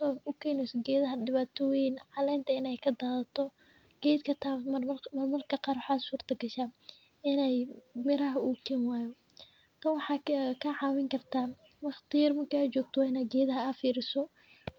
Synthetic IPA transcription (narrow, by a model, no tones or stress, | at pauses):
sɔʊkʰɛːnɛjsɔɡɛːðɐɦɐdɪβaːt̪ʰɔjɪnʕɑlɛjnt̪ʰɐɪnɛjkʰɐd̪aːðɐt̪ʰɔ | ɡ̥ɛjd̪kʰɐt̪ʰamɐrmɐrkʰɐqɑːrwħɑːsuːrt̪ʰɐɡɐʃaː | ɪnɛjmɪɾɐɦɐuːkʰɛːnwɑːjɔ | t̪ʰɐwɑħɑːkʰɐʕɑːwɪŋkʰɐrt̪ʰaː | wɑχt̪ɪjɐrmɐrkiɐt͡ʃɔːɡ̚t̪ʰɔwaːɪnɐːɡɛːðɐɦɐɐfiːɾɪsɔ